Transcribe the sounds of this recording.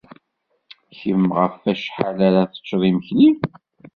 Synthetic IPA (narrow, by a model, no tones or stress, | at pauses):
çəmʁəfæʃħalaɾaθə̥t͡ʃːðˤiməçli